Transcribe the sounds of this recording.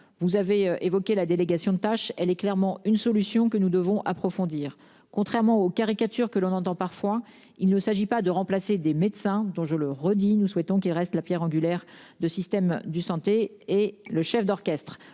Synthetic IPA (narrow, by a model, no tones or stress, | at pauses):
vuzaveʔevɔkʲelad̪eleɡasjɔ̃d̪ət̪aʃɛlɛklɛʁmɑ̃ynsɔlysjɔ̃kənud̪əvɔ̃ʔapχɔfɔ̃d̪iːʁ | kɔ̃t̪χɛʁmɑ̃okaʁikat̪yʁkəlɔ̃nɑ̃t̪ɑ̃paʁfwa | ilnəsaʒipad̪əʁɑ̃plased̪emed̪sɛ̃d̪ɔ̃ʒələʁəd̪inuswɛt̪ɔ̃k̬ilʁɛst̪lapjɛʁɑ̃ɡʲylɛʁ | d̪əsist̪ɛmd̪əsɑ̃t̪eː | ləʃɛfd̪ɔʁkʲɛst̪χ